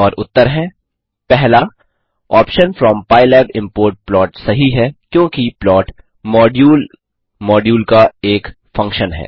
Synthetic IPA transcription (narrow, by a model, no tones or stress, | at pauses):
ɔːɾʊt̪ːəɾɦɛ̃ | pɛɦla | ɔːpʃənfɾɔːmpaːɪlɛːbɪ̃mpoːɾʈ̚plɔːʈsɐɦiɦɛkjõːkiplɔːʈ | mɔːɖjuːl | mɔːɖjuːlkaeːk | fɐ̃ŋkʃənɦɛ̰ː